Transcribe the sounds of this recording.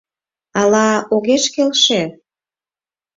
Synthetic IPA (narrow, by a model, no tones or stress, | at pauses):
ɑlɑoɣeʃkelʃe